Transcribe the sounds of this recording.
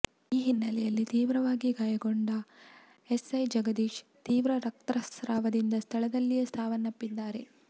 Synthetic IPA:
iːɦinːɐlɛjɐlːit̪iːʋɾɐʋaːɡiɡaːjɐɡoɳɖɐ | esɐjd͡ʒɐɡɐd̪iːʃt̪iːʋɾɐɾɐk̚t̪ɾɐsɾaːʋɐd̪ind̪ɐst̪ʰɐɭɐd̪ɐlːijest̪ʰaːʋɐnːɐpːid̪ːaːɾe̞̰

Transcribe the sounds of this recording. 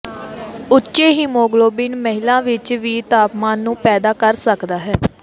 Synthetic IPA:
ʊtːʃeːɦiːmoːɡloːbɪnməɦɪlãːʋɪt͡ʃʋiːt̪aːpmaːnːũːpɛːd̪aːkəɾsəkd̪aːɦɛː

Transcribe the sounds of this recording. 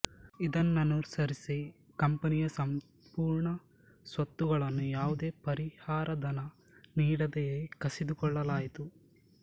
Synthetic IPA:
id̪ɐnːɐnuːɾsɐɾisi | kɐmpɐnijɐsɐm | puːɾɳɐ | sʋɐt̪ːuɡɐɭɐnːujaːʋud̪e̞ːpɐɾihaːɾʔɐd̪ɐnɐ | niːɽɐd̪ejeːkɐsid̪ukɔɭːɐlaːjit̪u

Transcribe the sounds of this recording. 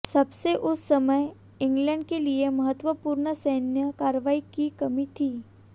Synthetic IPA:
sɐbseʔʊsːɐməj | ɪ̃ŋɡlə̃ɳɖ̚keliemɐɦət̪ʋəpuːɾnəsɐːnjəkaːɾəʋaːikikɐmit̪ʰiː

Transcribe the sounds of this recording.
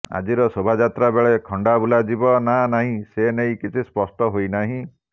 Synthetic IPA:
a̰d͡ʒiɾɔsobʱad͡ʒat̪ɾabeɭekʰɔɳɖabulad͡ʒibɔnanaɦĩsenejkit͡ʃʰispɔsʈɔɦojnaɦĩ

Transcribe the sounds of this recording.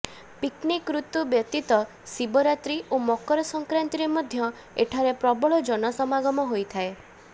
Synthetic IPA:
piknikːɾut̪ubjɔt̪it̪ɔ | sibɔɾat̪ɾiomɔkɔɾɔsɔŋkɾant̪iɾemɔd̪ʱjɔ | eʈʰaɾepɾɔbɔɭɔd͡ʒɔnɔsɔmaɡɔmɔɦojt̪ʰae

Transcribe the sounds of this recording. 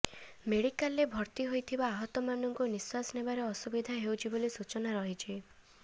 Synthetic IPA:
meɽikalːebʱɔɾt̪iɦojt̪ʰibaːɦɔt̪ɔmanɔŋkuniswasnebaɾeɔsubid̪ʱaɦewt͡ʃʰibolisut͡ʃɔnaɾɔɦit͡ʃʰi

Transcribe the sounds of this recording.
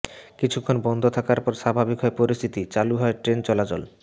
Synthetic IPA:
kit͡ɕʰukʰːonbɔnd̪ʱot̪ʰakaɾpɔɾʃabʱabikɦɔepoɾist̪ʰit̪it͡ɕaluɦɔeʈɾent͡ɕɔlat͡ɕol

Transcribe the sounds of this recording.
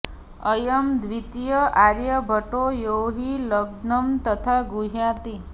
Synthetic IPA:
əjəmd̪ʋit̪ijəʔaɾjəbʱəʈojowɦiləɡnəmt̪ət̪ʰaɡuɦjãt̪i

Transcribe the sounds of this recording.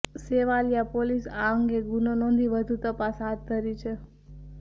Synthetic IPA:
seʋaljapolisaəŋɡeɡunonɔ̃nd̪ʱiʋəd̪ʱũt̪əpasɦat̪̚ːəɾit͡ʃʰe

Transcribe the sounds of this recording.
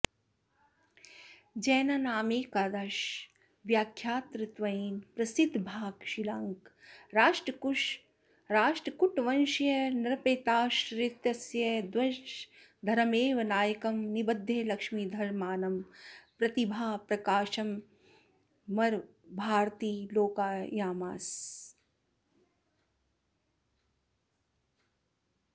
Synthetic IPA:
d͡ʒɐːnɐnaːmeːkad̪ɐʃ | ʋjaːkʰːjaːt̪ɾɨt̪ʋɐiːnpɾɐsid̪ʱbʱaːɡʃilaŋkɾaːʃʈɾɐk | ɾaːʃʈɐkuʈʋɐnʃjɐnɐɾɐpeːt̪aːʃɾɪt̪jɐsjɐd̪ʋɐʃ | d̪ʱɐɾɐmeːʋɐnaːjɐkɐmnibɐd̪ʱːeːlɐkʂmiːd̪ʱɐɾmaːnɐmpɾɐt̪ibʱaːpɾɐkaːʃɐm | mɐɾ | bʱaːɾt̪iːloːkaːjaːmaːs

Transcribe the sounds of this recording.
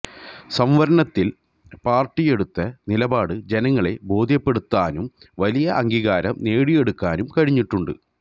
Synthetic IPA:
sɐmʋɐɾɐnɐt̪ːil | paːrʈːije̞ɽut̪ːɐnilɐbaːɽɨd͡ʑe̞nɐŋːɐɭe̞bo̞ːd̪ʱjɐpːe̞ɽut̪ːaːnum | ʋɐlijɐʔɐŋɡiɣaːɾɐ̰mneːɽije̞ɽukːaːnumkɐɻiɲːiʈːuɳɖɨ̰

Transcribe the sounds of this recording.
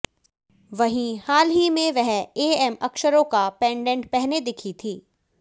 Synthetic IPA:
ʋɐɦĩhaːlɦimẽʋɛɦeːɛmɐkʃəɾõkapɛ̃ːɳɖɛ̃ɳʈ̚pɛɦned̪ɪkʰit̪ʰiː

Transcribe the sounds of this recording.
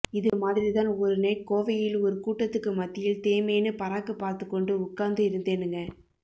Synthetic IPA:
ɪðɯmaːðɪɾit̪aːnɔɾɯnɐɪkoːʋɐjɪlɔɾɯkuːʈːɐt̪ːɯkːɯmɐt̪ːɪjɪlt̪eːmeːnɯpɐɾaːkːɯpːaːɾt̪ɯkːɔɳɖɯʊkːaːnd̪ɯɪɾɯnd̪eːnɯŋɡɐ

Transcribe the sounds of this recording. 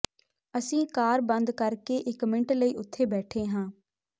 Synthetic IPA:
əsĩːkaːɾbənd̪kəɾkeːʔɪkmɪɳʈləiːʊt̪ʰːeːbɛːʈʰeːɦãː

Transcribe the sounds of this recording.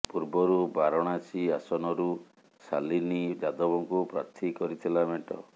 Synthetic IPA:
puɾbɔɾubaɾɔɽ̃at͡ʃʰiasɔnɔɾu | sa̰linid͡ʒad̪ɔbɔŋkupɾa̰t̪ʰikɔɾit̪ʰilameʈɔ̰

